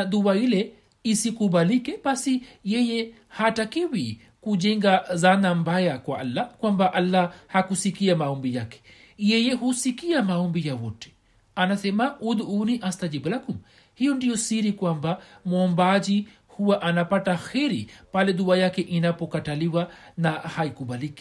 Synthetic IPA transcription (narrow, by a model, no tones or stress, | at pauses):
ðuailɛ | isikuɓalikɛɓasijɛjɛ | hatakiwi | kuʄɛŋɡazanambajakwaʔalːakwambaʔalːahakusikiamaɔmbijakɛ̥ | jɛjɛhusikiamaɔmbijawɔtɛ̥ | anasɛmaʔud̪uuniʔast̪ad͡ʒiblakum | hijɔndijɔsiɾikwambamɔmbaʄi | huwaʔanapataxɛɾḭpalɛðuajakɛʔinapɔkataliwanahaikuɓaliki